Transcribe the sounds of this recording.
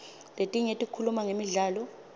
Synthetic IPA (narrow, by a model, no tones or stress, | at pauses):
letʼiɲetʼikʰulumaŋemiɮaːlɔ